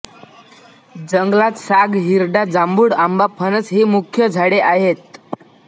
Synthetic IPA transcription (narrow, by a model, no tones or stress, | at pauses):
d͡zəŋɡlat̪saɡɦiɾɖad͡zambuːɽambapʰənəsɦiːmukʰjəd͡zʱaɽeʔaɦet̪̚